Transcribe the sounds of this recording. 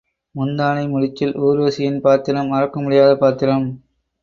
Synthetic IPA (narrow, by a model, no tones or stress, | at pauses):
mʊnd̪aːnɐɪmʊɻɪt͡ʃːɪloːɾɯʋɐsɪjɪnpaːɾt̪ɪɾɐmɐɾɐkːɐmʊɽɪjaːðɐpaːɾt̪ːɪɾɐm